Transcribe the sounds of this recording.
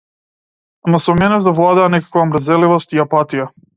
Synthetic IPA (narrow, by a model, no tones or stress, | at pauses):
masomɛnɛzavlˠad̪aanɛkḁkvaomɾazɛlivost̪iapat̪ija